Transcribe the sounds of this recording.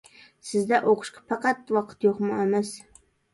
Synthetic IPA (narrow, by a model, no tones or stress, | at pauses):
sɪzd̪ɛʔoqʊ̥ʃqɑ̥pʰɑqɑt̪wɑqʰə̥t̪joqmʊæmæs